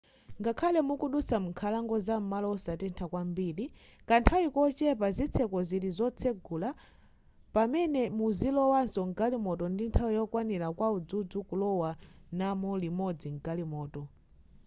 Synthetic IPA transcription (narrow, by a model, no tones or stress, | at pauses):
ŋɡakʰalɛmukuɗut͡samuŋkʰalaŋɡɔzam̩malɔɔsatɛntʰakwambiːlikantʰawikɔt͡ʃɛpazit͡sʰɛkɔziɾizɔt͡sʰɛɡula | pamɛnɛmuzilɔwansɔŋɡalimɔtɔndintʰawijɔkwanilakwaud͡zud͡zukulɔwanamɔlimɔd͡ziŋɡalimɔːtɔ